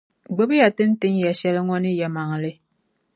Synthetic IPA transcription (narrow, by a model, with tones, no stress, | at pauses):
ɡ͡bɨ˦bɨ˦ja˨tɨ˦n̩˦tɨ˦ŋja˨ʃɛ˦lɨ˦ŋɔ˦nɨ˦jɛ˨ma˨ŋ˨lɨ˦